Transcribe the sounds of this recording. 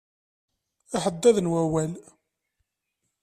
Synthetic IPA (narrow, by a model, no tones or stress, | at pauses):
aħəd̪ːæðnwæwæl